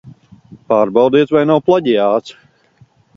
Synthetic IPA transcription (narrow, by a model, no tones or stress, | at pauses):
paːɾbawd̪iɛt̪vajnawplˠaɟijaːt̪s